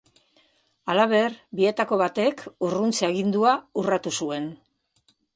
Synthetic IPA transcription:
alaβ̞e̞ɾbie̞t̪ako̞βat̪e̞kurunt͡seaɣ̞ind̪uaurat̪usue̞n

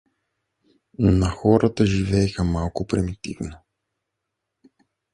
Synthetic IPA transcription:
nonaxɔɾat̪aʒivɛjxamalˠkupɾimit̪ḭvno

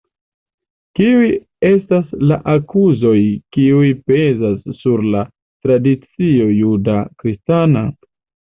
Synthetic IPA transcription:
kiuj | e̞staslaʔakuzo̞jkiujpe̞zasːuɾla | tɾadit͡sio̞judakɾistana

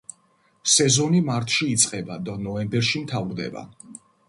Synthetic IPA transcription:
sɛzɔnimaɾt̪ʰʃiːt̪sʼqʼɛbad̪anɔɛmbɛɾʃimt̪ʰavɾd̪ɛ̰ba̰

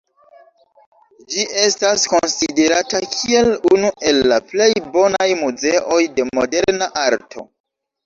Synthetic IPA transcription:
d͡ʒiʔe̞stasko̞nside̞ɾatakʰie̞lunuʔe̞lːaple̞jbo̞najmuze̞ʔo̞jde̞mo̞de̞ɾnaʔaɾtʰo̞̰

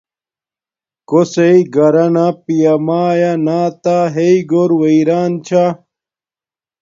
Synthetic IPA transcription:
koseiɡɐɾɐnapijɐmaːjanaːt̪aɦeiɡoɾwɐiɾaːnt͡ɕʰa

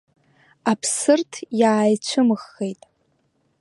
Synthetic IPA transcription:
apʰsɨrtʰjaːjt͡ɕʷʰɨmɨχːejtʼ

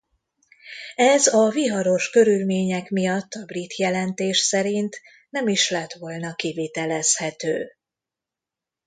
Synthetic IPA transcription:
ɛzɒviɦɒɾo̞ʃkø̞ɾylmeːɲɛkmijɒt̪ʰːɒbrit̪jɛlɛnt̪eːʃsɛɾint̪ | nɛmiʃlɛt̪ʋo̞lnɒkiveːt̪ɛlɛshɛt̪øː

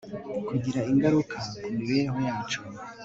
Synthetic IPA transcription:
kuɟiɾaiŋɡaɾukʰakumiβeɾeɦo̞jaːt͡ʃo

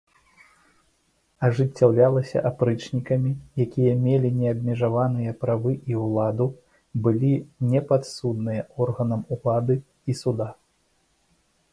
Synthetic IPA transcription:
ɐʐɨt͡sʲːawlʲalˠɐsʲɐ̰ʔapɾɨt͡ʂnʲikɐmʲijakʲijɐmʲelʲinʲɛɐbʲmʲɛʐavanɨjɐpɾavɨʔiwlˠad̪u | bɨlʲinʲɛpat̪sud̪nɨjɐɔrɣɐnɐmulˠad̪ɨ | isud̪a

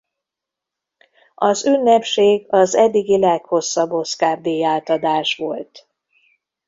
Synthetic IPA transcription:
ɒzynːɛpʃeːɡɒzɛd̪ːiɡilɛkho̞sːɒbːo̞skaːrd̪eːjaːlt̪ɒd̪aːʃʋolt̪

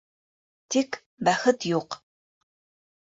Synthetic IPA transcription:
t̪ʰik | bɐxɨt̪ʰjuːq

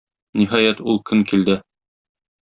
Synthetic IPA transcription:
niɦɑjæt̪ulˠkɵŋkild̪ɘ

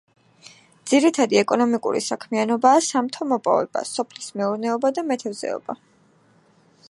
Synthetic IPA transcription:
d̪z̥iɾit̪ʰad̪iɛkʼɔnɔmikʼṵɾḭsakʰmianɔbaːsamt̪ʰɔmɔpʼɔ̰vɛ̰b̥a̰sɔpʰlismɛuɾnɛɔbad̪amɛt̪ʰɛvzɛ̰ɔ̰b̥a

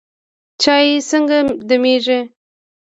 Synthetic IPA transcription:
t͡ʃɑjesəŋɡad̪əmeʐe

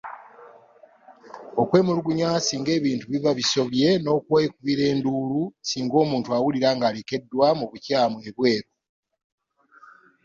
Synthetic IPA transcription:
okwe̞ːmuɾuɡuɲaːsiːŋɡe̞ːβiːntuβivaβiso̞βje̞no̞kwe̞ːkuβiɾe̞ːnduːlusiːŋɡo̞ːmuːntuawuliɾaːŋɡaːleke̞dːwamuβucaːmwe̞βwe̞ːɾo

